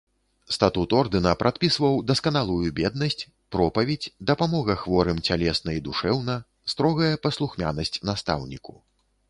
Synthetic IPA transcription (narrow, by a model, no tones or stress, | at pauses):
st̪at̪ut̪ɔrd̪ɨnɐpɾʔat̪pʲisvɐwd̪ɐskɐnalˠujubʲɛd̪̚nɐsʲt͡sʲ | pɾɔpɐvʲed͡zʲd̪ɐpamɔɣɐxvɔɾɨmt͡sʲalʲɛsnɐid̪uʂɛwnɐ | st̪ɾɔɣɐjɐpɐslˠuxmʲa̰nɐsʲt͡sʲnast̪a̰wnʲiku̥